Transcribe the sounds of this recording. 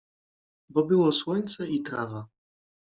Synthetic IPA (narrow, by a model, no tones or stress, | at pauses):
bɔbɘwɔswɔɲt̪sɛit̪ɾava